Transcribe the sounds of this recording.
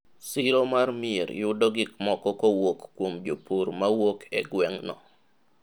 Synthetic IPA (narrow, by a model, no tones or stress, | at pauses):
siɾomarmɪḛɾjʊdɔɡɪkmɔkɔkɔwokkːwomd͡ʒopuɾmawokʰɛɡwɛŋnɔ̰